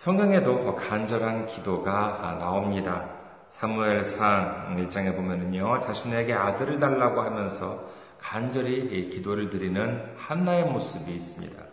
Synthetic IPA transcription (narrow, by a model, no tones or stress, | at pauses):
sʰʌŋɡaŋe̞dokand͡ʑʌɾɦankidoɡanaomɲida | sʰamue̞ɭsʰaŋiɭt͡ɕ͈aŋe̞bomjʌnɯɲot͡ɕaɕʰine̞ɡe̞adɯɾɯɭt̬aɭːaɡohamjʌnsʰʌ | kand͡ʑʌɾikidoɾɯɭtɯɾinɯnhanːae̞mosʰɯbiːs͈ɯmɲḭda̰